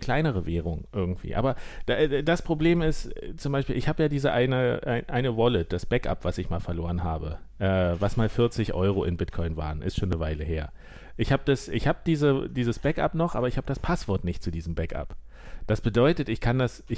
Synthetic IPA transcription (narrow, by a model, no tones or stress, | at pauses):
kʰl̥aɪnəʁ̞əveːʁ̞ʊŋʔɪɐɡŋ̩tv̥ḭːʔa̰ːbɐd̥adaspʁ̥obleːmɪstt͡sʊmbaɪʃpiːlɪçhaːbəjaːdiːzəʔaɪnəʔaɪnʔaɪnəvɔlɪt̚d̥asb̥ɛkʔa̰pv̥asɪçmaːlfɛɐloːʁənɦaːbəʔɛːvasmaːlfɪɐt͡sɪçʔɔ̰ʏʁ̞oʔɪnbɪtkʰɔʏnva̰ːʁənɪ̰stʃoːnəvaɪləɦeːɐ | ʔɪçhaːbəd̥asʔɪ̰çhaːbəd̥iːzədiːzəsb̥ɛka̰pnɔχʔa̰ːbɐɪçhaːbədaspʰasv̥ɔɐtnɪçtt͡sudiːzəm̩bɛka̰p | d̥asb̥ədɔʏtətɪçkʰandasɪ